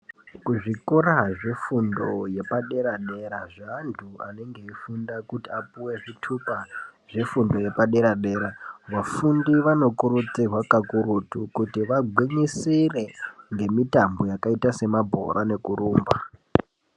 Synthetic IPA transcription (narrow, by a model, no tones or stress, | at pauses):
kuʐikoɾaʐe̞fundo̞je̞paɗe̞ɾaɗe̞ɾaʐandʰua̰ne̞ŋɡe̞ifundakutiapuwe̞ʐitʰupaʐ̥e̞fundo̞je̞paɗe̞ɾaɗe̞ɾaʋafundiʋano̞kuɾut͡sirwakakuɾutukutiʋaɡʱwiɲisire̞ŋɡe̞mitambo̞jakaitase̞mabʱo̞̰ɾʔane̞kuɾuːmba